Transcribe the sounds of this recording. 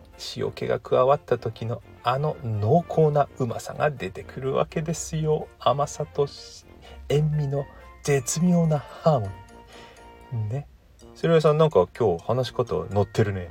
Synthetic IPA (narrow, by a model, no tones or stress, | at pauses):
ɕijo̰ke̞̰ɡa̰kʰɯ̟aβat̪ːat̪o̞kʲino̞ | ano̞no̞ːkʰo̞ːnaɯ̟ma̰sa̰ŋa̰d̪e̞t̪e̞kʰɯ̟ɾɯ̟βa̰ke̞d̪e̞sɨjo̞amasat̪o̞ | ẽ̞mːʲino̞ | d͡ze̞t͡sɨmʲo̞ːnahãːm | ne̞ | so̞ɾeβasanãŋkakʲo̞ːhanaɕi̥ko̞t̪o̰no̞t̪ʰːe̞ɾɯ̟noja